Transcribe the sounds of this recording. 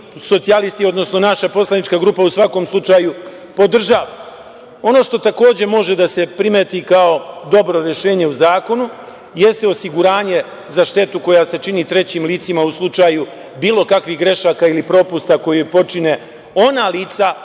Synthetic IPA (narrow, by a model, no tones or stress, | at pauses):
so̞t̪sialist̪io̞d̪no̞sno̞naʃapo̞slˠanit͡ʃkaɡɾuːpausʋako̞mslˠut͡ʃaːju | po̞d̪r̩ʒaʋa | o̞no̞ʃt̪o̞t̪ako̞ːd͡ʑe̞mo̞ʒe̞d̪asepɾimet̪ikao̞d̪o̞bɾo̞ɾe̞ʃe̞ːɲe̞uzaːko̞nu | je̞st̪eo̞siɡuɾaːɲe̞ | zaʃt̪e̞t̪uko̞jase̞t͡ʃinit̪ɾe̞t͡ɕiːmliːt̪simauslˠut͡ʃaːju | biːlo̞kakʋixɡɾe̞ʃaːkailipɾo̞pust̪ako̞jepo̞t͡ʃine̞ | o̞naliːt̪sa